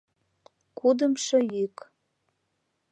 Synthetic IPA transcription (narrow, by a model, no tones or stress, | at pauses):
kud̪əmʃɤjik